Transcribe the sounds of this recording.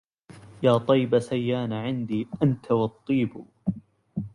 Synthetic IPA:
jaːt̪ˤɑjbasajːaːnaʕɪnd̪iːʔant̪ʰawɑt̪ˤːiːb

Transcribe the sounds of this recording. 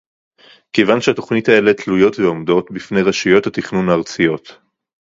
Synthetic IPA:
ke̞jvanʃeato̞χnitae̞le̞tlujo̞tveomdo̞tbifnejʁaʃijo̞thatiχnunaːʁt͡sijo̞t̪

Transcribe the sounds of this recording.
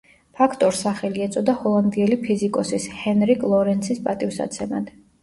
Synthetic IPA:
pʰakʰt̪ʼɔɾsaχɛliɛt̪sʼɔd̪ahɔlˠand̪iɛlipʰizikʼɔsishɛnɾikʼlˠɔɾɛnt̪sʰispʼat̪ʼifsa̰t̪sʰɛma̰d̪̥

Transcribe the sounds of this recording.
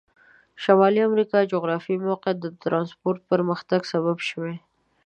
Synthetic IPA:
ʃamɑliamɾikɑd͡ʒoɣɾɑfimoqed̪ət̪ɾɑnspoɾt̪̚pəɾməxt̪aɡsaβabʃəwe

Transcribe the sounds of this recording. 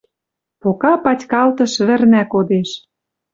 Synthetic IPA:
pokɑpɑtʲkɑlt̪ɤ̆ʃβɘ̆rnækod̪eʃ

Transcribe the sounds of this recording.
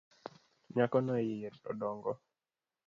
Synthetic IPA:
ɲakɔnɔejijetɔ̰dɔŋɡɔ

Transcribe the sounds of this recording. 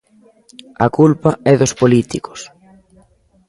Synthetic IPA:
ɐkulpɐɛðospolit̪iko̥s

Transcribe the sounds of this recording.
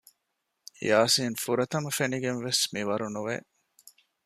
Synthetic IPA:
jaːsiːnfuɾɐt̪ɐmɐfeniɡenʋesmiʋɐɾunuʋḛ

